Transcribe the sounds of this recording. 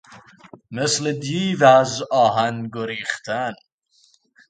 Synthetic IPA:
mesled̪iːvæzɒːɦænɡoɾiːχt̪ʰæn

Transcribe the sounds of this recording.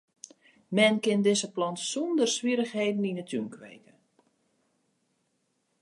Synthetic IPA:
mɛnkɪndɪzəplɔntsundərsʋiɾəxɦeːdən̩inətʰynkʋḛjkə

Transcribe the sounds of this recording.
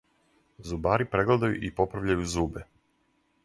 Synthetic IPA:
zubaːɾipɾeɡled̪ajṵʔipo̞pɾaʋʎajuzuːbe

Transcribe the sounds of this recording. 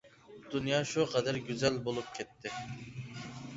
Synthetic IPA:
d̪̥unjɑːʃuqʰɑd̪æɾɡʲyzɛlbolˠup̚kʲʰɛt̪ʰːɪ

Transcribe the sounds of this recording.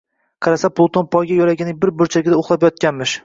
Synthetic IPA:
qʰɑɾasapʰlˠt̪ʰonpʰɒjɡʲajɒlaɡʲɪnɪbɪɾbʊɾt͡ʃʰaɡʲɪd̪aoχlˠapjɒt̪̚kʲanmɪʃ

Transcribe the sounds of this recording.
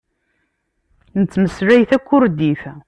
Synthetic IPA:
nət͡sːməsɾæjθækʷːʊɾd̪iθ

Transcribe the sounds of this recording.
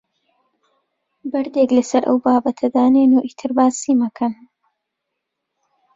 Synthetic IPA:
bɐɾd̪eklɐsɐɾʔɐ̰wbaːbɐt̪ʰɐd̪aːneːnuːʔit̪ʰɨɾbaːsiːmɐkʰɐn

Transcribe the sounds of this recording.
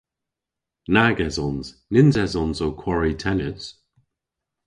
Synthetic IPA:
naɡɛzɔnz̥ | nɪnzɛzɔnzowkʰw̥ɔɹitʰɛnəs

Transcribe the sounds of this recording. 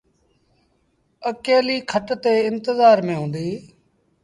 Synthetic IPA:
əkeːliːkʰəʈt̪eːɪnt̪ɪzaːɾmẽːɦʊ̃ːnd̪iː

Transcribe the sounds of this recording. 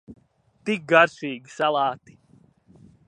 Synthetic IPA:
t̪ik̚ɡaɾsiːɡʲisalˠaːt̪i̥

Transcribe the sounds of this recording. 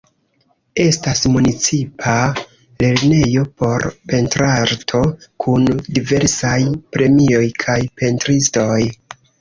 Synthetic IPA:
e̞stasmunit͡sipʰa | le̞ɾne̞jo̞po̞ɾpe̞ntɾaɾtʰo̞kʰundive̞ɾsajpɾe̞mio̞jkʰajpe̞ntɾisto̞j

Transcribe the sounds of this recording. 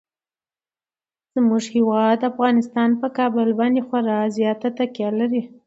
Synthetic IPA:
z̥muʐhɪwɑd̪afɣɑnɪst̪ɑnpəkɑbəlbɑnd̪exwaɾɑzjɑt̪at̪akjɑlaɾi

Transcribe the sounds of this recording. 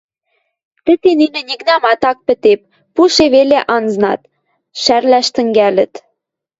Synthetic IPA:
t̪ɘ̆t̪eninɘ̆nʲiknɑmɑt̪ɑk̚pɘ̆t̪ep̚ː | uʃeβeleʔɑnznɑ̰t̪ | ʃærlæʃt̪ɘ̆ŋɡælɘ̆t̪

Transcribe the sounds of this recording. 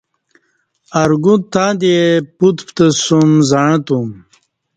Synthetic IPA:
ɐɾɡut̪aːd̪eput̪pt̪ɐsumzaɻɐ̃t̪um

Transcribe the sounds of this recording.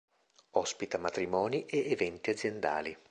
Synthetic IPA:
ɔspit̪amat̪ɾimɔːniʔeːvɛnt̪iad̪zːjend̪a̰ːli

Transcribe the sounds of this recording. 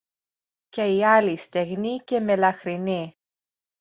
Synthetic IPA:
ce̞iɐlist̪eɣnice̞me̞lɐxɾini

